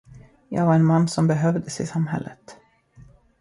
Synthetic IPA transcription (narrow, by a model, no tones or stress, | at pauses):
jɑ̰ːɡvaɾɛnmanːsɔmbɛɦœvd̪əsɪsamɦɛ̰lːət̪